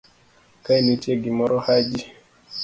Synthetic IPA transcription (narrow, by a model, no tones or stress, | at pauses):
kainitiaɡimɔɾɔhad͡ʒi